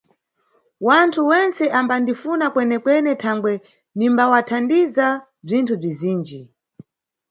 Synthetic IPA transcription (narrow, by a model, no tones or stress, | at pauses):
wantʰuwɛnt͡sɛʔambandifunakwɛnɛkwɛnɛtʰaŋɡwɛ | nimbawatʰandiza | b͡ʐintʰub͡ʐiziːnd͡ʒi